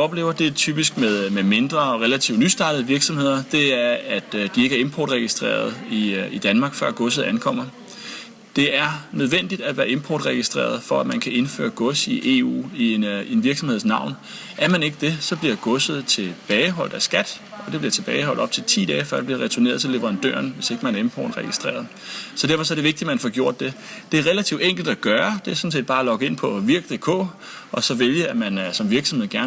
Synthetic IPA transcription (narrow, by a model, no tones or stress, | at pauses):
ɒ̽b̥le̝̰ːʊɐd̥e̝t͡sʰyːb̥isɡ̥meðˠmeme̝nd̥ʁɐɒ̽ʁɛlæt͡sʰḭʊ̥nysd̥ɑ̈ːdð̩ˠəʋiɐɡ̥sɒ̽mhe̝ð̞̰ˠɐd̥e̝æɐæd̥d̥ie̝ɡ̥æɐe̝mpʰɒ̰ːd̥ʁɛɡ̥isd̥ʁḛːɐð̞ˠiid̥ænmɑ̈ːɡ̥fɶɐ̰ɡ̥ɔ̽səð̩ˠænkʰɒ̽m̰ɐ | d̥e̝æɐnøð̞ˠʋen̰d̥id̥æʋæːɐe̝mpʰɒ̰ːd̥ʁɛɡ̥isd̥ʁḛːɐð̞ˠfɒ̽æmænkʰæe̝nfø̰ːɐɡ̥ɔ̽siʔe̝̰ṵːine̝nʋiɐɡ̥sɒ̽mhe̝ð̰ˠsnɑ̈ʊ̰n | ʔæɐmæne̝ɡ̥əd̥e̝sɒ̽b̥liɐɡ̥ɔ̽sð̩ˠt͡sʰe̝b̥ɛːɪɦɒ̽l̰d̥æsɡ̥æd̥ | ɒ̽d̥e̝b̥liɐt͡sʰe̝b̥ɛːɪhɒ̽l̰d̥b̥̚t͡sʰe̝lt͡sʰḭːd̥ɛːfɶɐ̰̥eb̥liɐʁɛt͡sʰuɐne̝ːɐð̞ˠt͡sʰe̝le̝ʋəʁɑ̈nd̥ø̰ɐ̰nʋe̝se̝ɡ̥əmænæɐe̝mpʰɒ̰ːd̥ʁɛɡ̥isd̥ʁḛːɐð̩ˠ | sɒ̽d̥æɐfɒ̽sɒɾ̥e̝ʋe̝ɡ̥̚d̥imænfɒɡ̥jo̝ɐ̰d̥ːe̝ | d̥e̝æɐʁelæt͡sʰiʊ̥eŋ̰ɡ̥l̩d̥æɡ̥ɶːɐd̥e̝æɐsɔ̽nse̝̰ːd̥̚bɑ̈ːlɒ̽ɡ̥əe̝n̰pʰɒ̽ʋiɐɡ̥əd̥ekʰɔ̰̽ːɒ̽sɒ̽ʋeljəæmænsɒ̽mʋiɐɡ̥sɒmhe̝ð̰ˠɡ̥æɐn